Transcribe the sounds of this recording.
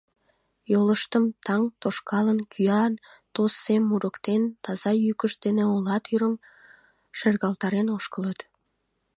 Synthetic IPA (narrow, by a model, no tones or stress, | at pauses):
joləʃt̪əmt̪ɑŋt̪oʃkɑlənkʰyɑnt̪osːemːuɾə̆kt̪ent̪ɑzɑjykəʃd̪eneolɑt̪yɾəm | ʃerɣɑlt̪ɑɾenoʃkələt̪